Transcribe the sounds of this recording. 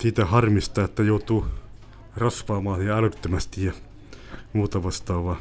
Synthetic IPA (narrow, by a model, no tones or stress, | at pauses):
siːt̪æhɑrmist̪ɑːet̪ːæjout̪uː | rɑsʋɑːmɑːsiːælyt̪ːømæst̪ijjɑ | muːt̪ɑʋɑst̪ɑːʋʋɑ